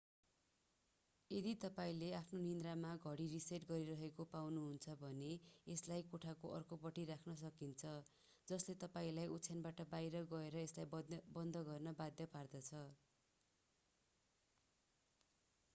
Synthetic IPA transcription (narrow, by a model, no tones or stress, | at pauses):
ed̪it̪ʌpaĩleapʰnonind̪ramaɡʱʌɽiriseʈɡʌɾiɾʌɦekopawnuɦunt͡sʰʌbʱʌneeslajkoʈʰakoʔʌrkopʌʈiɾakʰnʌs̬ʌkint͡sʰʌ | d͡zʌslet̪ʌpaĩlajʔutsʰjanbaʈʌbajɾʌɡʌeɾʌeslajbʌnd̪ʱʌɡʌrnʌbad̪jʌpard̪ʌt͡sʰʌ